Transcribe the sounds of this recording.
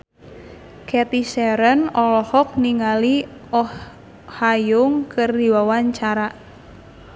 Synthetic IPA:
kɛt̪isɛɾənɔlɔhɔk̚niŋali | ɔh | hajʊŋkərdiwawaɲt͡ʃaɾa

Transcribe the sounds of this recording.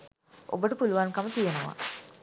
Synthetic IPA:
ʔo̰bəʈəpuluʋankamət̪ijenəʋa̰

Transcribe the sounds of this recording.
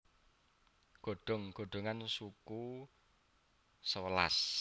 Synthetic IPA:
ɡ̥o̤ɖ̥ɔ̤ŋɡ̥o̤ɖ̥o̤ŋansuku | səwəla̰s

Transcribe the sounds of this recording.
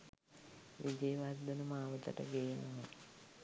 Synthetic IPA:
ʋid͡ʒeːʋard̪ənəmaːʋət̪ə̰ʈə̰ɡeːnomə

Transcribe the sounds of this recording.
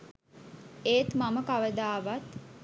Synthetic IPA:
eːt̪maməkaʋəd̪aːʋat̪

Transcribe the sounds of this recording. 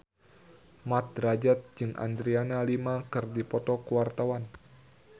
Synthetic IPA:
mat̪̚ɾad͡ʒat̪̚d͡ʒɨŋʔa̰nd̪ɾianalimakɨrdipɔt̪ɔkuwart̪awan

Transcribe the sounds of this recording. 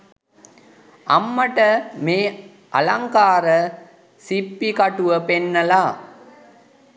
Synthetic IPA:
ɐmːɐʈɐmeː | ʔɐ̰lɐŋkaːɾɐ | sipːikɐʈɯʋɐpenːɐlaː

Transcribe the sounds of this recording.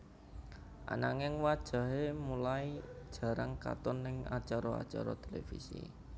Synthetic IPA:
ʔa̰naŋɪŋwad̥ʒ̥ä̤ɦemulaid̥ʒ̥ä̤ɾəŋka̰t̪ʊnːɪŋat͡ʃaɾɔa̰t͡ʃa̰ɾɔt̪elefḭsḭ

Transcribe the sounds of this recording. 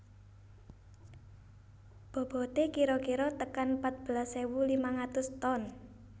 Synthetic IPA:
b̥ɔ̤b̥ɔ̤t̪ekiɾɔkiɾɔt̪əkanpat̪̚b̥əlasewulimaŋat̪ʊst̪ɔn

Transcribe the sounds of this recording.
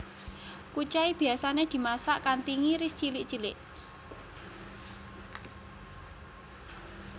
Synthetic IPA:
kut͡ʃaib̥i̤asaned̪̥i̤masaʔkant̪iŋiɾist͡ʃilɪʔt͡ʃilɪʔ

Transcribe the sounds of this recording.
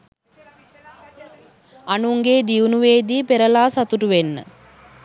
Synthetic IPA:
anuŋɡeːd̪iunuʋeːd̪iːpeɾəlaːsat̪uʈuʋenːə̰

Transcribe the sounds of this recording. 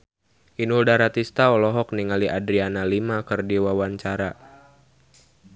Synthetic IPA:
ʔinuldaɾat̪ist̪aɔlɔɦɔk̚niŋaliʔadɾianalimakɨrdiwawaɲt͡ʃaɾa

